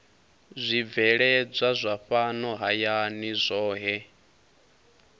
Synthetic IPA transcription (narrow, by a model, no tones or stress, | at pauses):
zʷib̪vɛɺɛd͡zʷazʷaɸanɔɦajanizʷɔːɦɛ